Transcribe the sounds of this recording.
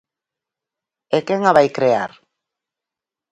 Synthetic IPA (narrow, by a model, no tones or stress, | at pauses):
ekeŋaβajkɾeaɾ